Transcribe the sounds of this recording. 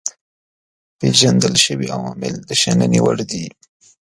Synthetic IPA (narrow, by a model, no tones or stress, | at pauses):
peʒand̪əlʃəwiawɑmɪld̪əʃananiwəɽd̪i